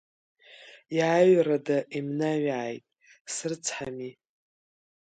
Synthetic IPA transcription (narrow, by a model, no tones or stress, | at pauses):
jaɥradaʔimnaɥajtʼ | sɨrt͡sʰħami